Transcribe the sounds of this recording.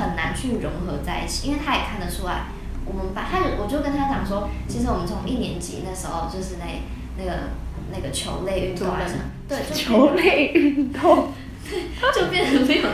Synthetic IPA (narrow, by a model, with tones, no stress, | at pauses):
ə˨˩nna˧˥nt͡ɕʰy˥˩ɻʊ˧˥ŋxɤ˧˥t͡sa˥˧ɪḭ˥˩t͡ɕʰi̥˨i˥nwɪa˥jɛ˨˩kʰa˥˩nd̪ə˩ʈ͡ʂʰu˥la̰˥˩ɪ | wɔ˨˩mə˦npa˥˩t̪ʰa˥ɻə˥˩wɔ˨˩ɥkə˥nt̪ʰa˥t͡ɕjɑ˨˩ŋʂwɔ˥t͡ɕʰi˧˥ʂɻ̩˧˥wɔ˨˩mə˦nt͡sʰʊ˧˥ŋʔi˥˩njɛ˧˥nt͡ɕḭ˨˥˦na˥˩ʂ̩˧˥xo˥˧ʊt͡ɕjo˥˧ʊʂɻ̩˥˧na˥˧ɪ | na˥˩ɡə̰˩na˥˩ɡə˩t͡ɕʰjo˧˥ʊle˥˧ɪy˥˧o˥˧˨t̪we˥˩ɪo˥t͡ɕʰo˧˥ʊle˥˧ɪy˥˩nt̪o˥˩˥ | t͡ɕjo˥˧ʊpjɛ˥˧nə˧˥